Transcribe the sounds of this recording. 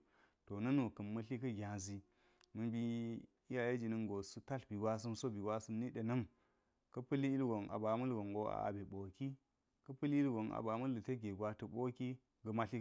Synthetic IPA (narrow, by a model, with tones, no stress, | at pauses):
to˨nɐ˦nu˨kɐ˨mːɐ˦ɬi˦kɐ˦ɡʲã˨zi˨ | mɨ˨bi˦ | i˦ja˨je˦d͡ʒi˨nə˦nɡo˨su˦ta˦ɬbi˨ɡʷwa˦s̬ɨ˦mso˦bi˨wa˦sɨ˦mni˦ɗe˨nɐ˦m | kɐ˦pə˦li˦i˦lɡo˨nʔa̰˨ba˨mɐ˦lɡo˨ŋɡo˦a̰˨a̰˨be˨ɓo˨ki˦ | kɐ˦pɨ˦li˦lɡo˨na̰˨ba˨mɐ˦lːə˨tɐ˦ɡe˨ɡʷa˨tə˨ɓo˦ki˦ | ɡə˨ma˦ɬi˦